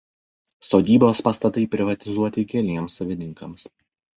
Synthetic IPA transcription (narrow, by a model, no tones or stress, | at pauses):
soːd̪ʲiːboːspɐst̪ɐt̪ɐɪpʲɾʲɪʋɐt̪ʲɪzuɔt̪ʲɪkʲɛlʲiɛmsɐʋʲɪnʲɪŋkɐms